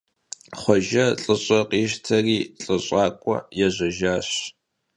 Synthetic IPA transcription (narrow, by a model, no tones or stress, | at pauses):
χʷɔʒɐɬʼɨɕʼɐqʼiːʃtʰɐriːɬʼɨɕʼɑːkʷʼɔ̰jɛʑʷɐʒaːɕ